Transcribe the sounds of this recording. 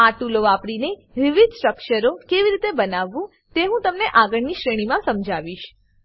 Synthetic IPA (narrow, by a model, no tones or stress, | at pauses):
aʈuloʋapɽineʋiʋid̪sʈɾəkʃəɾokeʋiɾit̪ebənaʋːũ | t̪eɦũt̪əmneʔaɡəɽniʃɾeɽ̃imãsəmd͡ʒʱaʋiʃ